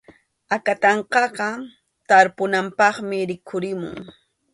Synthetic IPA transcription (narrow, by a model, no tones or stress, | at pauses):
akat̪ɑɴqɑqɑ | t̪aɾpʊnampɑχmɪɾɪkʰʊɾɪmʊ̰ŋ